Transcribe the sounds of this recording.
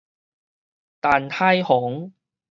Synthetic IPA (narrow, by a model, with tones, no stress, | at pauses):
t̪aː˨nhʰaː˥jhʊ˨˥ŋ